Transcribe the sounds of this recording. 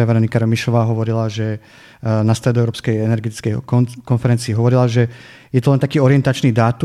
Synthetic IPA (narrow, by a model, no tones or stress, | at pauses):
aʋɛɾɔnikaɾɔmiʃɔʋaːɦɔʋɔɾilaʒɛ | nast̪ɾɛd̪ɔɛʊɾɔːpskɛjɛnɛɾɡɛt̪i̥t͡skɛjkɔnfɛɾɛnt͡siːɦɔʋɔɾilaʒɛ | jɛt̪ɔlɛnt̪akiːɔɾɪɛnt̪at͡ʃniːd̪aːt̪u